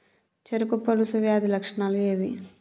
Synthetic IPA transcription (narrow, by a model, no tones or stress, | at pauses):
t͡ʃeɾukupɐlusuʋjaːd̪ilɐkʂɐɳalueːʋi